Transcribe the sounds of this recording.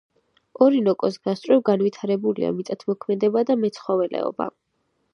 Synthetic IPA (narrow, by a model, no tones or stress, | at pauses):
ɔɾinɔkʼɔsɡast̪ʼɾɛvɡanwit̪ʰaɾɛbulḭa̰mit̪ʼat̪ʰmɔkʰmɛd̪ɛbad̪amɛt̪sʰχɔvɛlɛ̰ɔ̰ba̰